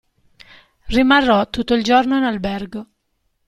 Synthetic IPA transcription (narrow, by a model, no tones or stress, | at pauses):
rimarːɔt̪ːut̪ːoild͡ʒornoinalbɛrɡo